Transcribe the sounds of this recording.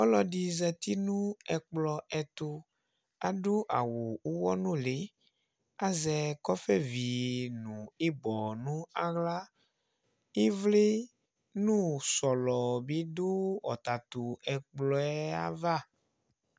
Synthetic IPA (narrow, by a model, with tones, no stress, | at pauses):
ɔ˦lɔ˨ɖi˨zɛ˨t̪i˦nũ˦ɛ˨k͡plɔ˨ɛ˨t̪o˨ | a˨ɖo˦ʔa̰˨wo˨u˦wɔ˦nũ˦le˨˦ | a˦zɛ˨kɔ˦fɛ˦vi˨nũ˨e˦bɔ˨nũ˦a˦ɣla˦ | e˦vle˦ | nũ˦sɔ˨lɔ˨be˦do˦ɔ̰˨t̪a˨t̪o˨ɛ˨k͡plɔ˨ɛ˦a̰˦va˦